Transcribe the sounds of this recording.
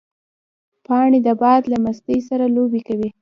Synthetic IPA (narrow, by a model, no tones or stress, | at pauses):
pɑɳed̪əbɑd̪lamast̪əjsaɾalobekawi